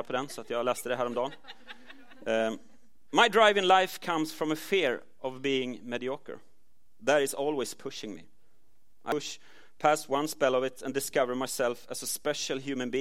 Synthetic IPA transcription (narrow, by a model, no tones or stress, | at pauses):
pʰɔd̪ɛ̃nsɔat̪jɑlæst̪əd̪ɛɦæːɾɔ̃md̪ɑːn | maɪdɹaɪvɪ̃ŋlaɪfkʰʌ̃msfɹɔ̃məfɪɹ | ʔʌvbiːɪ̃ŋmɛdiɔkə̰˞ | ðəɾɨsɔːlˠwɪspʰʊʃɪ̃ŋmḭ | ʔa̰ɪʃ | pʰæswʌ̃nspɛlʌvɪt̪ʰə̃ndɨskʌvə˞maɪsɛlˠfæsəspɛʃəl̩ˠɦjʉːmə̃nbi